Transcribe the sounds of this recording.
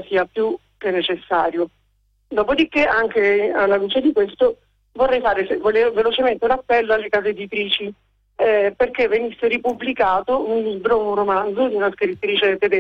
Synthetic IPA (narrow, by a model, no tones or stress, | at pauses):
siːapːju | k̟enːet͡ʃesːaːɾjo | d̪ɔːpod̪ikːeaŋkealːaluːt͡ʃed̪ikwest̪o | vorːɛjfaːɾesevoleovelot͡ʃement̪eunapːɛlːoalːekaːzeed̪it̪ɾiːt͡ʃi | perkevːenisːeɾipublikaːt̪ounliːbɾounromand̪zod̪iunaskɾit̪ːɾiːt͡ʃet̪ed̪e